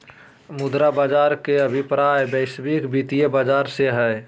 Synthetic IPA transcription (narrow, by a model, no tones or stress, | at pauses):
mʊd̪ɾabaːd͡ʒaːɾkeəbʱipɾajbəɪsbikbʱit̪ijebad͡ʒaːɾseɦɛ